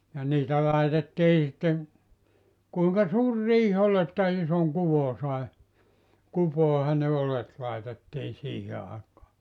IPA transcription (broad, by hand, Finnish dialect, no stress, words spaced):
jɑ niːtæ lɑitetːiː sitːeŋ kuiŋkɑ suːr riːh ol etːæ isoŋ kuʋo sɑe kupoˑehɑn ne olet lɑetetːiːn̞ siːhe ɑˑekɑː